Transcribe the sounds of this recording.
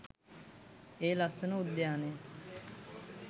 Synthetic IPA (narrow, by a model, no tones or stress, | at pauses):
eːlasənʊd̪jaːneː